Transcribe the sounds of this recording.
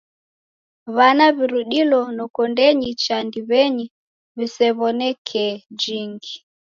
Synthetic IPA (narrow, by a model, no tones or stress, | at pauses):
βanaβiɾuɗilɔnɔkɔndɛɲit͡ʃandiβɛɲi | βisɛβɔnɛkʰɛd͡ʒiŋɡi